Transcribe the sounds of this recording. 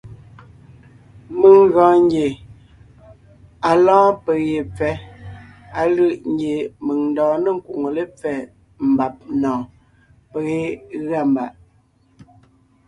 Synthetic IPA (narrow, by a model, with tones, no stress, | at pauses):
mə˨ŋ˦ɣɔ̃ː˨˦ŋ˦ɡje˨ | a˨lɔ̃ː˦pe˨je˨p͡fɛ˨˦ | a˨lɯ˦˨ʔŋ˦ɡje˨mə˨ŋn̩˨dɔ̃ː˨nə˦˨ŋ̩˨ku˨ŋo˨le˦p͡fɛ˨ | m̩˨ba˨p̚nɔ̃ː˨ | pə˨ɣe˦ɣa˦˨mba̰˨ʔ